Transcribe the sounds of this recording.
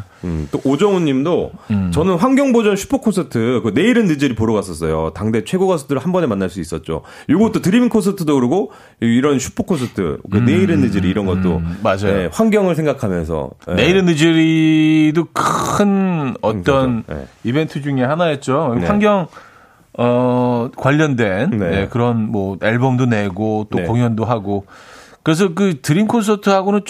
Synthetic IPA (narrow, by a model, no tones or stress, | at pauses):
ɯt͈oʔːd͡ʑʌŋuɲːimdot͡ɕʌnɯnɸwaŋɡʲjʌŋbod͡ʑʌnɕʰu̥pʰokʰosʰɯtʰɯkɯne̞iɾɯnːɯd͡ʑɯɾipoɾʌɡas͈ʌs̬͈ʌjotaŋde̞t͡ɕʰwe̞ɡoɡasʰɯ̥tʰɯɾɯɭhambʌne̞manːaɭs͈uis͈ʌt̚t͡ɕ͈o̰ | joɡʌt̚t͈otɯɾimiŋkʰos̬ʰɯtʰɯdokɯɾiɡo | iɾʌnɕʰu̥pʰokʰos̬ʰɯtʰɯ̰kɯne̞iɾɯnːɯd͡ʑɯɾiːɾʌnɡʌt̚t͈o̰mad͡ʑaejoɸwaŋɡjʌŋɯɭs̬ʰe̞ŋɡakʰamjʌnsʰʌ̰ne̞iɾɯnɯd͡ʑiɾidokʰɯnʌt͈ʌnibe̞ntʰɯd͡ʑuŋehanaet̚t͡ɕ͈owaŋɡjʌŋ | ʌkwaʎːʌndwe̞nnje̞kɯɾʌnmwʌeɭbʌmdone̞ɡot͈okoŋɦjʌndoɦaɡokɯɾe̞s̬ʰʌk̬ɯtɯɾimkʰonsʰʌtʰɯɦaɡonɯnt͡ɕ